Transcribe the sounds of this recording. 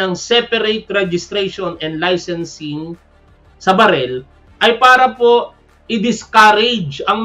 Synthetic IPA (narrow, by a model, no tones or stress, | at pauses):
ɐŋsɛpɐɾejt̪ɾɛd͡ʒɪst̪ɾɛjʃonɛnd̪lajsɛnsɪŋ | sɐbɐɾɛl | ʔɐjpaːɾɐpo̞ | ʔɪd̪ɪskaɾɛd͡ʒɐŋm